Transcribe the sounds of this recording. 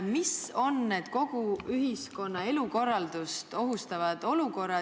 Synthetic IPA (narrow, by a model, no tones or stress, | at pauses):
miso̞nːe̞ːd̪̥̚ko̞ɡ̥uyɦisko̞nːɑe̞luko̞rːɑld̪̥ust̪o̞ɦust̪ɑvɑd̪̥o̞luko̞rːɑ